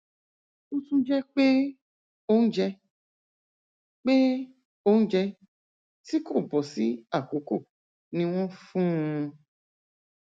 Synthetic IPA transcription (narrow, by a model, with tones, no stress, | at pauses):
u˦sũ˦d͡ʒɛ˦k͡pe˦ | o˦n̩˦d͡ʒɛ˧ | k͡pe˦ | o˦ñ̩˦d͡ʒɛ˧ | ti˦ko˦˨bɔ˨si˦a˦˨ko˨ko˦˨ | nĩ˦w̃ɔ̃˦fũ˦˧